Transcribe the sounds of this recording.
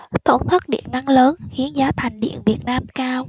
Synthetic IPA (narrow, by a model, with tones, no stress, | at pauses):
t̪o˧˩nt̪ʰə˦˥t̚ɗḭ˧˨ənːa˧ŋləː˨˦nhi˨˦ənzaː˨˦t̪ʰa˨˩jŋ̟ɗḭ˧˨ənvi˨˩ət̚naː˧mkaː˧w